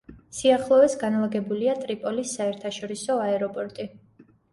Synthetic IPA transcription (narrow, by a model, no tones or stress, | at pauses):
siaχlˠɔɛsɡanlˠaɡɛbuliat̪ʼɾipʼɔlisːaɛɾt̪ʰaʃɔɾisɔaɛɾɔpʼɔɾt̪ʼi